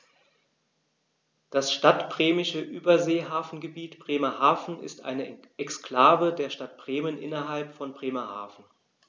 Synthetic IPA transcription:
d̥asʃtatb̥ʁ̥eːmɪʃəʔyːbɐzeːɦaːfn̩ɡəbiːtb̥ʁ̥eːmɐhaːfn̩ɪ̰stʔa̰ɪnə | ʔɛkskl̥aːvədeːɐʃtat̚b̥ʁeːmənʔɪ̰nɐɦalpfɔnbʁeːmɐha̰ːfn̩

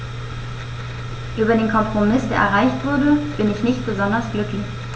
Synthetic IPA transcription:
ʔyːbɐdeːnkʰɔmpʁ̥omɪsd̥eːɐʔɛ̰ɐʁaɪçtv̥ʊɐdəb̥ɪnɪçnɪçt̚b̥əzɔndɐsɡ̥lʏklɪç

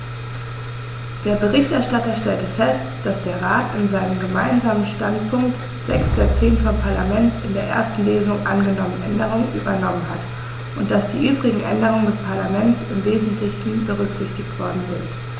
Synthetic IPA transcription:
d̥eːɐbəʁɪçtɛɐʃtatɐʃtɛltəfɛstd̥asd̥eːɐʁaːtɪnzaɪnəmɡəmaɪnzaːmənʃtantpʰʊŋkt | z̥ɛksd̥at͡seːnfɔmpʰaɐlamɛntɪndeːɐʔḛːɐstn̩leːzʊŋʔa̰nɡənɔmənʔɛndəʁ̞ʊŋənʔy̰ːbɐnɔmənɦat | ʔʊnt̚d̥asd̥iːʔyːbʁɪɡŋ̩ʔɛ̰ndəʁ̞ʊŋəndɛspʰaɐlamɛntt͡sɪmveːzn̩tʰlɪçn̩bəʁʏkz̥ɪçtɪçtv̥ɔɐdn̩zɪnt

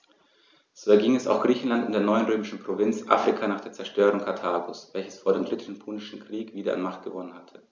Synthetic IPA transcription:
z̥oːɛɐɡiŋɛsa̰ʊxɡ̥ʁiːçn̩lantɪndeːɐnɔʏənʁøːmɪʃn̩pʁ̥ovɪnt͡sʔa̰ːfʁ̥ikʰanaːχd̥eːɐt͡sɛɐʃtøːʁʊŋkʰatʰaːɡʊsvɛlçə̥sfoːɐdeːmdʁɪtʰən̩pʰuːnɪʃn̩kʁ̥iːkv̥iːdɐʔa̰nmaχt̚ɡ̥əvɔnənhatʰə̥

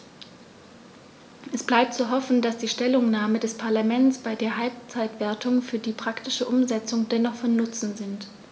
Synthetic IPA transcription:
ʔɛsb̥laɪp̚tt͡suɦɔfn̩d̥asd̥iːʃtɛlʊŋnaːmədɛspʰaɐlamɛnt͡sb̥aɪdeːɐɦalp̚t͡saɪtv̥eːɐtʰʊŋfyːɐdiːpʁ̥aktɪʃəʔʊmzɛt͡sʊŋdɛnɔχfɔnːʊt͡sn̩zɪnt

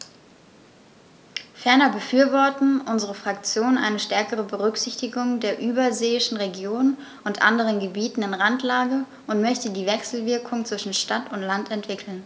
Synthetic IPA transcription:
fɛɐnɐbəfyːɐvɔɐtn̩ʔʊnzəʁ̞əfʁ̥ak̚t͡sjoːnʔa̰ɪnəʃtɛɐkəʁ̞əbəʁʏkz̥ɪçtɪɡʊŋdeːɐʔyːbɐzeːɪʃn̩ʁeɡjoːnn | ʔʊntʔa̰ndəʁənɡəbiːtn̩ɪnʁantlaːɡə | ʔʊntmœçtədiːvɛksl̩vɪɐkʰʊŋt͡sv̥ɪʃn̩ʃtatʊntlantɛntv̥ɪkʰl̩n

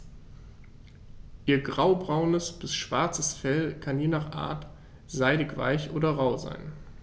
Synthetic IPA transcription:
ʔiːɐɡʁaʊbʁaʊnəsb̥ɪsʃv̥aɐt͡səsfɛlkʰanjeːnaːχʔa̰ːɐt | z̥aɪdɪkv̥a̰ɪçʔo̰ːɾɐʁaʊza̰ɪn

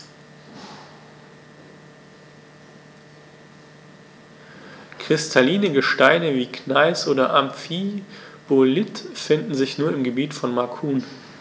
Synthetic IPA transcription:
kʁ̥ɪstʰaliːnəɡəʃtaɪnəviːkʰnaɪsʔoːɾɐʔamfib̥olɪtfɪndn̩zɪçnuːɐɪmɡəbiːtfɔnmaɐkʰuːn

